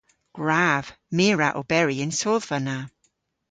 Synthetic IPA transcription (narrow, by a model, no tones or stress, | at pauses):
ɡ̥ɹav̥meːɹaʔo̰bɛɹiɪnsoːðvəna